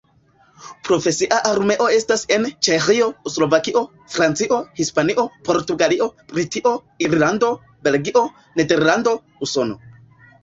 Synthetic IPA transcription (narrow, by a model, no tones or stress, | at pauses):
pɾo̞fe̞siʔaʔaɾme̞ʔo̞e̞stase̞nt͡ʃe̞xio̞slo̞vakiʔo̞ | fɾant͡siʔo̞hispaniʔo̞po̞ɾtuɡaliʔo̞bɾitiʔo̞ | iɾlando̞ | be̞lɡiʔo̞ | ne̞de̞ɾlando̞ | uso̞no̞̰